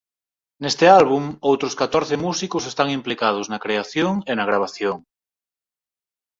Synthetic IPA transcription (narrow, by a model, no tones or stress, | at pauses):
nest̪ɪalβ̞uŋowt̪ɾʊskat̪ɔɾθɪmusikʊsest̪aŋimplikað̞ʊznɐkɾeaθjoŋenɐɣ̞ɾaβ̞aθjoŋ